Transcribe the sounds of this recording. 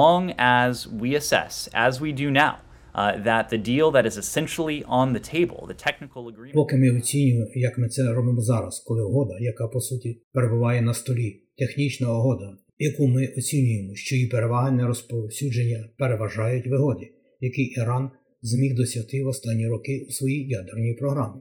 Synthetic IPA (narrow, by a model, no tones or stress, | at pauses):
ɔ̃ŋəzwiɨsɛ̰sɨ̰zwidɨnaʊ | ðɨt̪̚ðɨdilˠðɨɾɨzɨsɛ̃nʃl̩ˠiʔə̃nðɨtʰeɪbl̩ˠðɨ̰tʰɛk̚nɨkl̩ˠəɡɹipɔkɪmɪɔt͡sʲinʲʊjejɐkmɪt̪sɛɾɔbɪmɔzɑɾɐ̰skɔlˠɪɦɔd̪ɐjɐkɑpɔsutʲipeɾebʊʋɑjɛnɐst̪ɔlʲit̪e̞xnʲit͡ʃnɐɔɦɔd̪ɐ | jɐkumɪʔɔt͡sʲinʲʊjemɔʃt͡ʃɔjipeɾe̞ʋɑɦɐnʲnɛɾɔspɔsʲud͡ʒenʲːɐpe̞ɾeʋɐʒɑjʊtʲʋɪɦɔd̪ʲi | jɐkɪʔiɾɑn | zmʲixd̪ɔsʲjɐt̪ɪwɔst̪ɑnʲːiɾɔkɪusʋɔjijɑd̪ernʲijpɾɔɦɾɑmɪ